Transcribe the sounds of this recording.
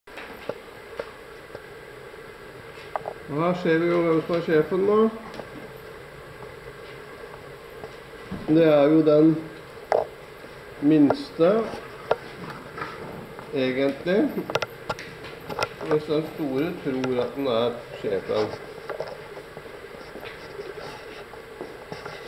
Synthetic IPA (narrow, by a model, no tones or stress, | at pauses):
ɔhæːʂeːɾʋɪjʊʋɛmsɔmæʂeːfənːoː | d̪ɛæɾjʊd̪ɛn | mɪnst̪ə | eːɡənt̪lɪ | ʋɪsd̪ɛnst̪uːɾət̪ʰɾuːɾɑt̪̚d̪ɛnæɾʂeːfə̰n